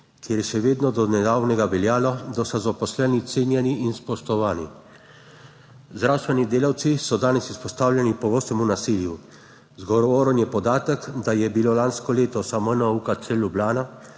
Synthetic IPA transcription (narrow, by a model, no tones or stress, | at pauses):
kʰjeɾjɛʃɛʋeːd̪nɔd̪ɔnɛd̪aːwnɛɡaʋɛljaːlɔd̪ɔsazapɔslɛnit̪seːnjɛniʔinspɔʃt̪ɔʋaːni | zd̪ɾawst̪ʋɛnid̪eːlawt̪sisɔd̪aːnɛsispɔst̪aːwlʲjɛnipɔɡɔst̪ɛmunasiːlju | zɡɔɾɔʋɔːɾɔnjɛpɔd̪aːt̪əkd̪ajɛbiloːlanskɔleːt̪ɔsamənɔukat͡ʃsɛlːublaːna